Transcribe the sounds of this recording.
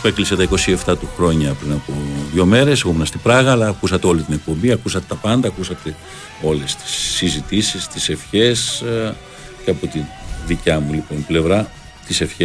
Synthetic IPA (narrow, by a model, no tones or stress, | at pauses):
pe̞kliset̪ɐiko̞sie̞ft̪ɐt̪uxɾo̞ɲɐpɾinɐpoðʝo̞me̞ɾe̞seɣumenɐst̪ibɾɐɣɐlɐːkusɐt̪eo̞lit̪ine̞k̚po̞mbiɐkusɐt̪e̞t̪ɐpɐnd̪ɐːkusɐt̪e̞ | o̞le̞st̪i̥sːizit̪isist̪ise̞fçe̞s | ceɐpo̞t̪inðicɐmuliponle̞vɾɐ | t̪ise̞fçe